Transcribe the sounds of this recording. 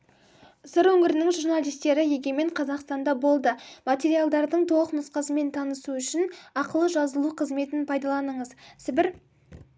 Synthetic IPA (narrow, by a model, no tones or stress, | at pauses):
səɾwɵŋɪɾɪnɪŋʒuɾnalˠijst̪e̞ɾɪje̞ɡʲeme̞ɴqʰɑzɑqst̪ɑnd̪ɑbo̞lˠd̪əmat̪e̞ɾijalˠd̪ɑɾd̪əɴt̪ʰo̞lˠəqnʊsqɑsəme̞nt̪ʰɑnəsuʏʃɪnɑqəlˠəʒɑzəlˠuqʰəzme̞t̪ɪnpʰɑjd̪ɑlˠɑnəɴəzsɪbɪɾ